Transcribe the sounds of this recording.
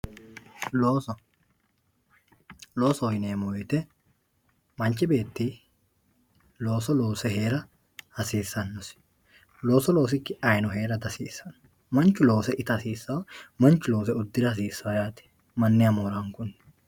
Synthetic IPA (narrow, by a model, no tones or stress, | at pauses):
loːs | lo̞ːsɔɔjneːmɔjɛt̪ɛ | mɐnt͡ʃɪbe̞ːt̪ːiː | lo̞ːsɔlo̞ːsɛhe̞ːɾɐ | hɐsiːsːɐnːɔs | lo̞ːsɔlo̞ːs̬ɪkːɪɐjnɔɦe̞ːɾɐd̪ɐsiːsːɐn | mɐnt͡ʃːʊlo̞ːsɛʔɪt̪ɐɐsiːsːɐwmɐnt͡ʃːʊlo̞ːs̬ɛʊd̪ːɪɾɐs̬iːsːɐwjaːt̪ɪ̥ | mɐnːɪɐmoːɾɐŋkʊnː